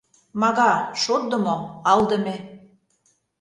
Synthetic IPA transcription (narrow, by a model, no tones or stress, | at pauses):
mɑɣɑʃot̪̚d̪ə̆moɑld̪ə̆mĕ